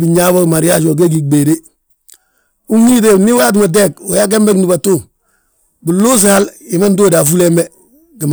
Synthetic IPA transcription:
bi˨ɲaː˦bo˦ɡi˨ma˨ɾja˦ʃo˨ɡ̬e˦ɡi˨ɡbe˨de˦ | u˦ŋːi˦t̬e˨ni˦wa˦t̬i˦me˨d̬e˦koja˦k̬e˦mbe˦kni˨ba˨tu˦ | bu˨loː˦s̬ali˨ma˦ndo˦da˨fu˦le˦mbe | ɡi˨m

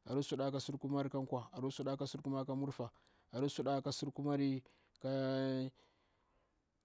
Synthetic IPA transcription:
a̰˨ɾu˦su˦ɗa˦ka˦su˦ɾku˦ma˦ɾi˦ka˦ŋkʷa˨a˨ɾu˦su˦ɗa˦ka˦su˦ɾku˦ma˦ka˦mu˦ɾfa˨ | a˨ɾu˦su˦ɗa˦ka˦su˦ɾku˦ma˦ɾi˦ | ka˦

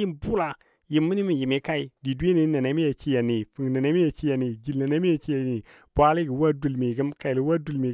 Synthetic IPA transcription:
i˦mbu˦la˨ | ji˨mːi˦ni˦mi˨ji˨mi˦ka˦i˨di˨du˦e˦ni˨˦na˨na˦mi˦ja˨t͡ʃi˦ja˨ni˨fu˨ŋ˨na˨na˦mi˦ja˨t͡ʃi˦ja˨ni˨d͡ʒi˨la˨na˦mi˦ja˨t͡ʃi˦ja˨ni˨ | b̥ʷa˦li˦ɡi˨wa˦du˨lmi˨ɡə˦mka˨i˨li˨wa˦du˨lmi˨

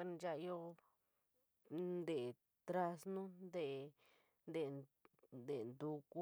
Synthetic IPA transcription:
nd͡ʒa˦˧ʔjo˦ | nd̪e˨ | t̪ɾa˧snũ˦nd̪e˦˨ | nd̪e˨nd̪e˨nd̪u˧ku˦

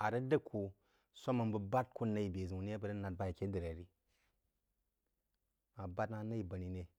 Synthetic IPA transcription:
a˨ɾə˦də˦kʰu˨ | sʷa˦ma˨mbə˨ba˦t̚ku˦na˦ji˨be˨zi˨wu˨ni˦e˦bə˨ɾə˦na˨t̚ba˦ji˨ke˦də˨ɾa˨ɾi˦ | ma˨ba˦tna˦na˦ji˨ba˨ni˨ne˦

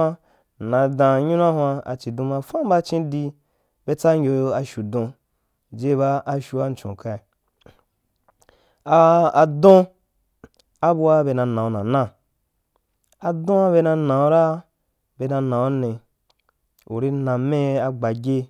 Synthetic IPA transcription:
nã˨˧dã˨ɲũ˦n˦a˦hwa˧a̰˨t͡ʃi˨dũ˧mã˧fã˦m˦ba˦t͡ʃĩ˦di˧ | be˧t͡sa˦ŋʲ˦o˧jo˧a˧ʃu˨dõ˧ | d͡ʒe˦ba˦ʔa˧ʃu˧wa˦n̩˨t͡ʃõ̰˨ka˧i˨ | a˨a˨dõ˦ | a˦bu˧wa˦be˧nã˧nã˨o˨nã˨nã˦˨ | a˨dõ˦a˦be˧na˧nã˨o˦ɾa˦ | be˧nã˧nã˨wo˦nẽ˨ | u˨ɾi˦nã˨me˦a˧ɡ͡ba˨ɡʲe˦

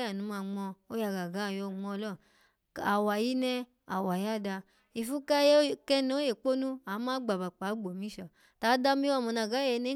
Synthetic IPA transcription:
a˨nũ˨˦ma˧˨ŋ͡mɔ˧o˦ja˨˧˨ɡa˨ɡa˨˦˨jɔ˧˨ŋ͡mɔ˧lɔ˦˨ | a˨wa˨ji˦nɛ˧ | a̰˨wa˨ja˦˨da˧ | i˨fu˦ka˦je˦kɛ˦n˦o˦je˨k͡po˦nũ˦a˨˦mãː˦ɡ͡ba˨ba˨k͡pa˨˦ɡ͡bo˨mĩ˨˦ʃɔ˨ | ta˨˦da˧˦mĩ˦a˦˨mɔ̃˨˧na˨ɡa˨˦ɛ˧˨˦nɛ˦

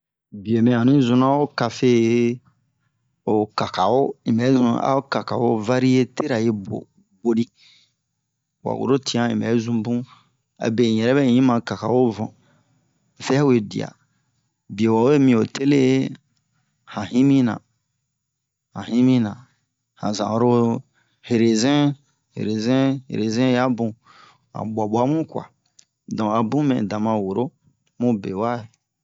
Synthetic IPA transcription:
bi˨e˨mẽ˨ã˨nĩ˦zũ˦nã˦wo˦ka˨fe˦ | o˨ka˨ka˨wo˦ĩ˨bɛ˨˦zṵ̃˦a̰˦o˦ka˨ka˨wo˦va˦ɾi˦e˦te˦ɾa˨je˦bo̰˨ | bo˨di˦ | wa̰˨wo̰˨ɾo˦ti˦ã˦ĩ˨bɛ̰˨˦zũ˦bũ˦ | a̰˨bẽ˨jɛ˨ɾɛ˦bɛ̃˦ɲĩ˦mã˨ka˨ka˨wo˦vɔ̃˨ | fɛ˦u˦e˨dḭ˨a̰˨ | bi˨o˨wa˨we˦mĩ˧o˨te˦le˦ | hã˨hĩ˦mĩ˦nã̰˨ | hã˨hĩ˦mĩ˦nã˨ | hã˨zã˨ɾo˦ | he˨ɾe˨zɛ̃˦ | hḛ˨ɾe˨zɛ̃˦hḛ˨ɾe˨zɛ̃˦ja˦bũ˨ | hã̰˨ɓʷa˨ɓa˦mũ˦kwa̰˨ | dɔ̃˨a˨bũ˦mɛ̰̃˨dã˨mã˧˨wo˨ɾo˦ | mũ˦be˨wa˦e˨

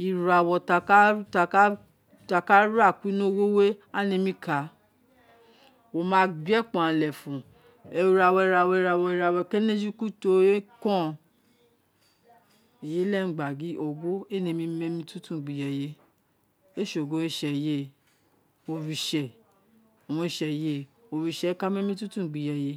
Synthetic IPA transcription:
i˨˧ɾa˧˨wɔ˧ta˧ka˦ta˧k | ta˧ka˦ɾa˦˨ki˨˦nõ˦wo˦we˦a˦nĩ˧mĩ˧kʰa˨˦ | wo˧mã˦ɡ͡bɛ˦k͡pɔ̃˨ã˨lɛ˨fũ˨ | ɛ˧ɾa˧˨wɔ˧i˧ɾa˧wɔ˧i˧ɾa˧wɔ˧i˧ɾa˧wɔ˧ke˦ne˦d͡ʒi˦ku˦to˨˦e˦kɔ̃˦˧˨ | e˨je˦lɛ˦˨ŋ̩˨ɡ͡ba˨ɡi˨˦ʔo˨ɡo˦e˦˨nĩ˧mĩ˧˦mɛ̃˧mĩ˧˦tũ˦tũ˦˨ɡ͡bi˨jɛ˨je˧ | e˦ʃo˨ɡo˨˦e˦ʃɛ˨je˦ | o˧ɾi˧ʃɛ˨ | o˨w̃ɔ̃˧i˧˨ʃɛ˨je˧˦o˧˨ɾi˧˨ʃɛ˨˦ka˦mɛ̃˦mĩ˦tũ˦tũ˦˨ɡ͡bi˨jɛ˨je˧˦

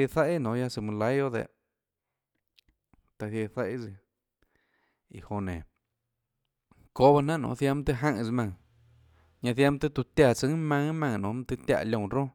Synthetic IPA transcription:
e˧θa˦i˦nõ˨˦ja˧sɨ˧˨mɨ̃˧la˧˦jo˦d̪ḛ˧˨ʔ | t̪a˧θjθa˦i˦˧zi˧ | ḭ˨ho˧nẽ˨ | ko˦βa˧nã˦ʔnõ̰˧˨˧θja˧mt̪e˧ɦã˦˧ŋ˧zmã˧ŋ | ɲã˧θja˧˦mt̪e˧t̪u˧t̪ja˧˨t͡sɨ˧˦mã˧ŋmã˧ŋ˧nõ˨˧˦m˧t̪e˧t̪ja̰˧˨˧lʲõ˧˨˧ɾõ˦

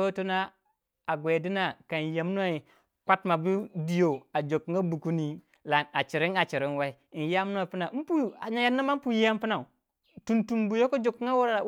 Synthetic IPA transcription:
o˦tu˦na˦ | a˨ɡwe˨di˦na˨ka˨ja˨m˦n˦a˦i˨ | kʷa˦tma˨bi˦di˦jo˨a˨d͡ʒo˨kŋa˦bu˨ku˦ni˦ | la˨na˨t͡ʃi˨ɾi˦ŋa˨t͡ʃi˨ɾi˦nwa˦i˦i˨n˨ja˦m˦n˦a˨pi˦na˨˦pu˦a˨ɲa˨ja˦nːa˦ma˦pu˨ji˦a˦m˦pi˦na˨ | tu˨ntu˨mbu˨jo˦ko˦d͡ʒo˨kːŋa˦wa˦ɾ

